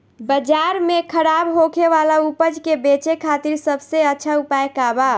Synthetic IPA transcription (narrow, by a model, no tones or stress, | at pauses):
bəd͡ʒaɾmekʰəɾabɦokʰeʋalaupəd͡ʒkebet͡ʃekʰat̪iɾsəbʱseətːʃʰaupaekaba